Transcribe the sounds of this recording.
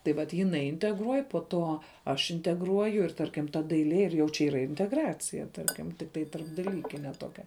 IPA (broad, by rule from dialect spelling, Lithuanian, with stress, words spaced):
tɐɪ ˈʋɐt jɪˈnɐɪ ɪnʲtʲɛɡˈruɔj poː ˈtoː ˈɐʃ ɪnʲtʲɛɡˈruɔjʊ ɪr ˈtɐrʲkʲɪm tɐ dɐɪˈlʲiɛ ɪr jɛʊ t͡ʃʲɛ ˈiːrɐ ɪnʲtʲɛɡˈrɑːt͡sʲɪjɛ ˈtɐrʲkʲɪm tʲɪkˈtɐɪ tɐrbdɐˈlʲiːkʲɪnʲɛ ˈtoːkʲɛ